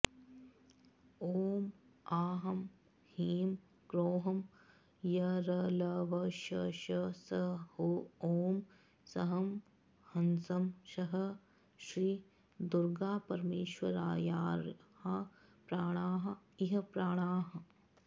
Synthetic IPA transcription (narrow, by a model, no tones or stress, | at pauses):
oːmaːɦɐm | hiːm | ɡɾoːɦɐm | jɐɾɐlɐʋɐʃɐʃɐsɐhooːm | sɐɦɐm | hɐnsɐmʃɐɦɐ | ʃɾiː | d̪uɾɡaːpɐɾmeːʃwɐɾaːjaːɾhɐpɾaːɽ̃aːɦɐiɦɐpɾaːɽ̃aːɦɐ